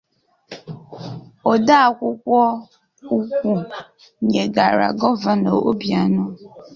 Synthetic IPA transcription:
o˨da˦a˨kʷʊ˦kʷɔ˦ | u˦kʷu˦ | ɲe˨ɡa˨ɾa̰˨ɡɔ˦va˨no̰˨o˦bja˨nʊ˦

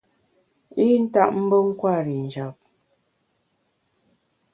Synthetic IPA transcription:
i˦n̩˦ta˦ʔm̩˦bo˦ŋ̩˦kwa˦˨ɾi˨n̩˨d͡ʒa˨p̚

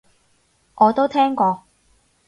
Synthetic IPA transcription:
ʔɔː˨˧t̪o˥wt̪ʰɛː˥ŋkʷɔː˧

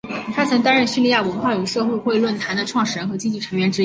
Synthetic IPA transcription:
t̪ʰa˥t͡sʰɤ˧˥ŋt̪a˥ɻə˥˧nɕy˥˧li˥˧ja˥˩wə˧˥nxwa˥˩jy˨˩ʂɤ˥˧xwe˥˧ɪxwe˥˧ɪlwə˥˩nt̪ʰa˧˥nd̪ə˧ʈ͡ʂʰwɑ˥˩ŋʂɻ̩˨˩ɻə˧˥xɤ˧˥t͡ɕi˥t͡ɕi˥˩ʈ͡ʂʰɤ˧˥ŋɥɛ˧˥nʈ͡ʂɻ̩˥

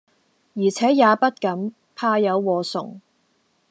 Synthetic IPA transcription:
jiː˨˩t͡sʰɛː˨˥jaː˨˧pɐ˥t̚kɐ˨˥m | pʰaː˧jɐ˨˧wːɔː˨sʊ˨˩ŋ

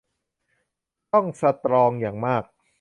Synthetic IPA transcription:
t̪ɔ˥˩ŋsa˧t̪ɾɔː˧ŋjaː˨˩ŋmaː˥˩k̚

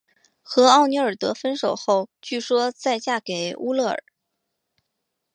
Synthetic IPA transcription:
xɤ˧˥ɑ˥˩ʊni˧˥ə˞˨˩t̪ɤ˧˥fə˥nʂo˨˩ʊxo˥˧ʊt͡ɕy˥˩ʂwɔ˥t͡sa˥˧ɪt͡ɕja˥˩ke˨˩ɪu˥lɤ˥˩ə̰˞˨˩˦

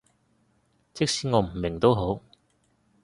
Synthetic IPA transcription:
t͡sʰɪ˥k̚siː˨˥ŋɔː˨˧˥m̩˨˩mɪ˨˩ŋt̪o˥wɦo˨˥w

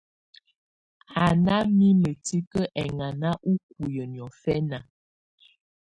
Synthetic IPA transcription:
a˨na˦mi˦mə˨ti˦kə˦ʔɛ˨ŋa˨na˦ʔu˦k̚u˨jə˨n˨ɔ˨fɛ˦na˨

